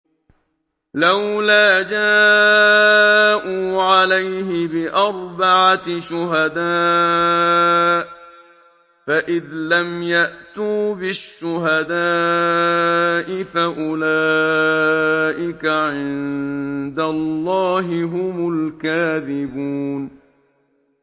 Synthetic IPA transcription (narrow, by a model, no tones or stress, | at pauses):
lawlaːd͡ʒaː | ʔuːʕalajɦɪbɪʔɑɾˤbaʕaʃʊɦad̪aː | faʔɪðlamjaʔt̪uːbɪʃːʊɦad̪aː | ʔɪfaʔʊlaː | ʔɪkaʕɪn | d̪alːɑːɦɪɦʊmʊlkaːðɪbuːn